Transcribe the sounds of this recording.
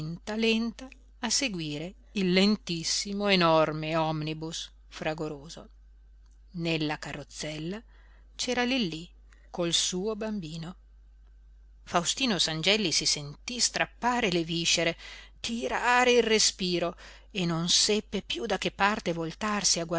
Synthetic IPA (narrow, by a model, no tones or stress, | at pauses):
nt̪alɛnt̪aː | seɡwiːɾe | ilːent̪isːimoenɔrmeɔmnibus | fɾaɡoɾoːzo̰ | nelːakarːot̪sːɛlːa | t͡ʃɛːɾalilːi | kolsuːobambiːno | fawst̪iːnosand͡ʒɛlːisisent̪ist̪ɾapːaːɾeleviʃːeɾet̪ʰiɾaɾeilrespiːɾo | enonsɛpːepjud̪ak̟ːepːart̪evolt̪arsiaɡwa